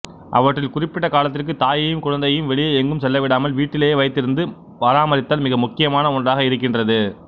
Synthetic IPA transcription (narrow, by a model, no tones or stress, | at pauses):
ʔɐ̰ʋɐʈrɪlkʊrɪpːɪʈːɐkaːlɐt̪ːɪrk̬ɯt̪aːjɪjɯmkʊɻɐnd̪ɐjjɯmʋɛɭɪjɐɛŋɡɯmsɛlːɐʋɪɽaːmɐlʋiːʈːɪleːjːʋɐɪt̪ːɪɾɯnd̪ɯ | pɐɾaːmɐɾɪt̪ːaːlmɪɣɐmʊkːɪjɐmaːnɐʊndraːɣɐɪɾɯkːɪndrɐðɯ